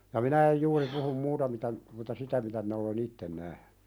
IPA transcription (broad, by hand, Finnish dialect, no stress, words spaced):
jɑ minæ ej juːri puhum muːtɑ mitæ mutɑ sitæ mitæ minæ olen itːen næhn̥ẙ